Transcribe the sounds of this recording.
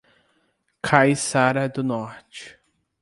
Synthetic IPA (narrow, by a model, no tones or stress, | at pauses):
kʰajsaɾɐd̪ʊnɔɾt͡ʃɪ̥